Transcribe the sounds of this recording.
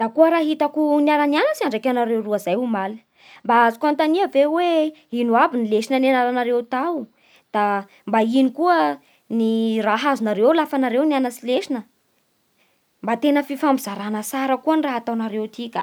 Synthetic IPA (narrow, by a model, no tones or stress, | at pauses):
d̪̥akuəɾaɦit̪akuniaɾanianəsiaɳɖ͡ʐakʲanaɾewruəzajumalin | mbaazikant̪aniəveweinuabinileʃinanenaɾanaɾewt̪aw | d̪̥a | mbainikuə | niraɦazunaɾewlafanaɾewnianasileʃinə | mbat̪enəfifambizaɾanəsaɾəkuəniraɦat̪awnaɾewt̪ikʲə